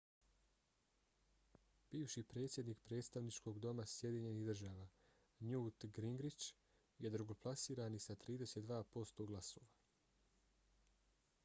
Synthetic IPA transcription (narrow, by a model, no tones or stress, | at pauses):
b̥iːʋʃipɾet̪sʲje̞d̪nikpɾe̞ːt̪st̪aʋnit͡ʃko̞ɡd̪o̞masje̞d̪iɲe̞nihd̪r̩ʒaːʋaː | ɲuːt̪ɡɾiŋɡɾit͡ʃ | je̞d̪ɾuɡo̞plˠasiːɾanisat̪ɾiːd̪e̞set̪d̪ʋaːpo̞st̪o̞ɡlˠaso̞̰ːʋa